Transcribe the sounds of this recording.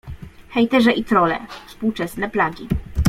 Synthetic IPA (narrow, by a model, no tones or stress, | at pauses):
xɛjt̪ɛʐɛʔit̪ɾɔlɛ̰fspuwt͡ʂɛsnɛplaɡʲi